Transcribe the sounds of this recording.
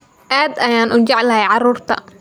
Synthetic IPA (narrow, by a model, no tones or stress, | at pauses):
ʔaːd̪ɐjaːnʔʊɲt͡ʃɑʕlɐɦɛjʕɑruːrt̪ʰɐ̰